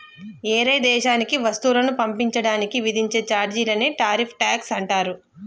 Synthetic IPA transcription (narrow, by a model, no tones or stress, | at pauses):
ɛːɾɐjd̪ɛːʃaːnikiʋɐst̪uːlɐnupɐmpiɲt͡ʃɐɽaːnikiʋid̪ʱiɲt͡ʃe̞ːt͡ʃaːɾd͡ʒiːlɐneːʈaːɾipʰʈaːksɐɳʈaːɾu